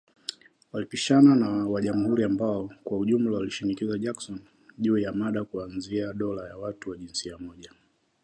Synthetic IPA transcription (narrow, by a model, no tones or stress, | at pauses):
walipiʃananawaʄamuhuɾiambaɔkwauʄum̩lawaliʃinikizaʄaksɔn | ʄuːjamaɗakuanziaɗɔlajawatuwaʄinsiamɔʄa